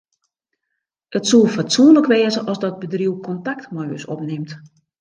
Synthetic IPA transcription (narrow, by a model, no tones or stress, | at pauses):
ʔətsulˠfatsunləkʋeːzəʔɔsdɔd̚bədriwkʰɔntaktmɔjə̰sɔ̰pnɪmt